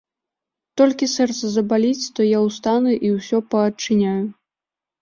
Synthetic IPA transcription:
t̪ɔlʲkʲisɛrt̪sɐzɐbalʲit͡sʲt̪ɔjawst̪anuʔiwsʲɔpɐːt͡ʂːɨnʲaju

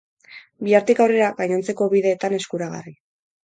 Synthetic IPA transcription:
biaɾt̪ikawre̞ɾaɡaɲont͡se̞ko̞βiðe̞ːt̪ane̞skuɾaɣa̰ri

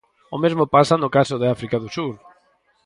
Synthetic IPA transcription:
omezmopasanʊkasoðɪafɾikaðʊsuɾ

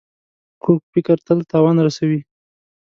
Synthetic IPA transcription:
kuk̚fɪkəɾt̪əlt̪ɑwɑnɾasawi

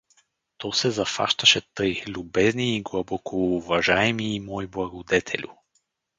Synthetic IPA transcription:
t̪ɔsɛzɐfa̰ʃt̪ɐʃɛt̪ɤjlʲubɛzniːɡlˠɐbɔkoːvɐʒaɛmiːmɔjblˠɐɡod̪ɛt̪ʰɛ̰lʲʊ̰

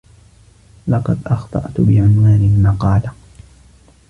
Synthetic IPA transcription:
lɑqɑd̪ʔɑxt̪ˤɑ̰ʔt̪ʊbɪʕʊnwaːnɪmɑqɑːla

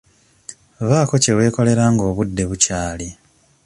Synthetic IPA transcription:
βaːko̞ce̞we̞ːko̞le̞ɾaŋɡo̞ːβudːe̞βucaːli

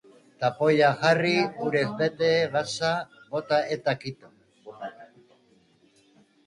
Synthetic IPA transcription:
t̪apo̞jaʝariuɾe̞zbe̞t̪eːɣasabo̞t̪ae̞t̪akit̪o

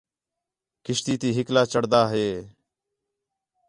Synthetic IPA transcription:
kɪʃt̪iːt̪iːɦɪklaːt͡ʃəɽd̪aːɦeː

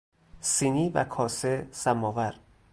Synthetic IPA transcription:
siniːvæ̰kʰɒːsesæmːɒːvæɾ

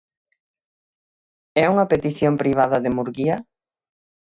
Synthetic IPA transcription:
ɛuŋɐpet̪iθjompɾiβ̞aðɐðɪmuɾɣiɐ

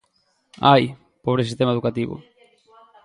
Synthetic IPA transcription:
aj | poβɾesist̪emaeðukat̪iβʊ̰

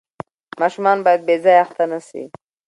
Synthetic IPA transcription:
mɑʃumɑnbaːjad̪̚bezɑjaxt̪ʰanasḭ

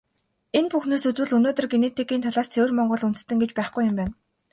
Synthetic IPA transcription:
enpuxnoːsɵt͡swɘ̆ɮɵnoːt̪ɵ̆rɡenet̪ʰeɡiːnt̪ʰaɮaːst͡s̪ʰewɘ̆rmɔɴɢɞ̆ɮunt͡sɘ̥̆st̪ɘ̆ŋɡet͡ɕpæːχɡujʊmpæːn

